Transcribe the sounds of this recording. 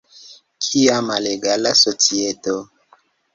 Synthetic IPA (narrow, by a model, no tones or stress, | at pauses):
kʰiamaleɡalasot͡sieto